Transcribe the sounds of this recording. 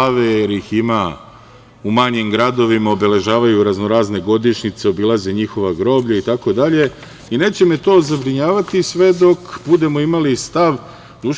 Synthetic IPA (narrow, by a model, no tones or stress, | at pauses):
aʋejeɾixima | umaɲimɡɾad̪o̞ʋimaobe̞le̞ʒaːʋajuɾazno̞ɾaːzne̞ɡo̞d̪iʃɲit̪seo̞bilˠazeɲixo̞ʋaɡɾo̞ːbʎait̪ako̞d̪aʎe̞ | ine̞ːt͡ɕe̞me̞t̪o̞ːzabɾiɲaːʋat̪isʋe̞d̪o̞kbud̪e̞mo̞imalist̪aʋ | d̪u